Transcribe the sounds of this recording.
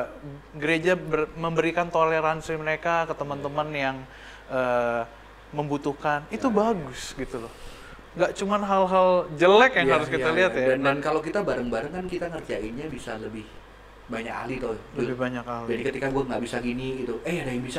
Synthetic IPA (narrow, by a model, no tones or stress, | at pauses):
ɡəɾed͡ʒabərməmbəɾikant̪oleɾansiməɾekakət̪əmənt̪əmənjaŋ | əː | məmbut̪uhkanit̪ubaɡʊsɡit̪ulɔh | ŋɡaʔt͡ʃumanɦalɦald͡ʒəlɛkjaŋhaɾʊskialiɦat̪jadandankalokit̪abaɾəŋbaɾəŋkankit̪aŋərd͡ʒaiɲabisaləbɪh | baɲa̰ka̰lit̪oləbɪhbaɲakalid͡ʒadikət̪ikaɡuaŋɡaʔbisaɡiniɡit̪uʔəjadaɪŋbisa